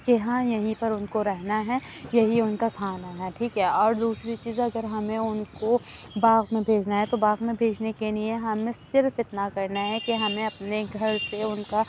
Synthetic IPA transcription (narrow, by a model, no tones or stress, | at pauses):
keɦãjɐɦĩpɐɾʊnkoɾɛɦnaɦɛjɐɦiʊnkakʰaːnaɦɛʈʰiːkɦɛːɔːɾd̪uːsɾit͡ʃiːzɐɡəɾɦɐmẽʊnko | baːɣmẽbʱeːd͡ʒnaɦɛt̪obaːɣmẽbʱeːd͡ʒnekeliẽɦɐmẽsɪɾfɪt̪nakɐɾnaɦɛkeɦɐmẽɐpneɡʱɐɾseʊnka